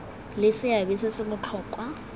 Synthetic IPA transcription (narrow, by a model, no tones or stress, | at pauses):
lɪsɪabisɪt͡sʼɪmʊt͡ɬʰɔːkʼwa